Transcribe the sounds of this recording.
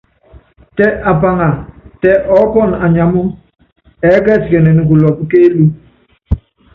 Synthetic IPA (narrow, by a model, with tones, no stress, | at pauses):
tɛ˦ʔa˨pa˦ŋa˨tɛ˦ʔɔ˦pɔ˦˨na˨ɲa˨mu˦ | ɛ˨˦kɛ˦˨si˨kɛ˨nɛ˨ni˨k̬u˨lɔ˨pke˦lu˦